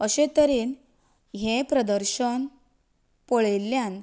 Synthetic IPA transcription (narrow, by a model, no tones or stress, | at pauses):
əɕet̪əɾiːn | ɦẽpɾəd̪əɾɕən | pɔɭelːjan